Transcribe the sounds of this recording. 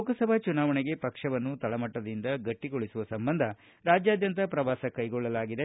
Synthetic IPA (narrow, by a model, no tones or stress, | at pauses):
kɐsɐbʱɐt͡ʃunaːʋɐɳeɡe̞pɐkʂɐʋɐnːut̪ɐɭɐmɐʈːɐd̪ind̪ɐɡɐʈːiɡoɭisuʋɐsɐmbɐnd̪ʱɐ | ɾaːd͡ʒjaːd̪jɐnt̪ɐpɾɐʋaːsɐkɐjɡɔɭːɐlaːɡid̪e